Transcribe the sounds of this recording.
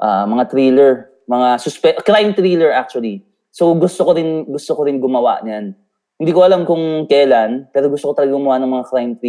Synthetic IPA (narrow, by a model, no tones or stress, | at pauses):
ʔaːmɐŋat̪ɾilɛɹ | mɐŋasʊspɛkɾajmt̪ɾiːlɛɹʔak̚t͡ʃʊɐli | sowɡʊst̪okoɾɪnɡʊst̪okoɾɪnɡʊmɐwa̰ʔɲjan | hɪnd̪iːkoʔɐlamkʊŋkɛːlanpɛːɾoɡʊst̪okot̪ɐlɐɡaɡʊmɐwaʔnɐŋmɐŋakɾajmt̪ɾi